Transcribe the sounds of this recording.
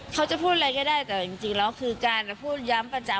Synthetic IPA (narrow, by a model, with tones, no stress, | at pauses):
kʰa˦˥wt͡ɕa˨˩pʰuː˥˩t̪̚a˧ɾa˧jkɔː˥˩daː˥˩jt̪ɛː˨˩t͡ɕi˨˧ŋt͡ɕi˧ŋlɛː˦˥wkʰɯː˧kaː˧n˩pʰuː˥˩t̪̚ja˦˥mpɾa˧t͡ɕa˧˩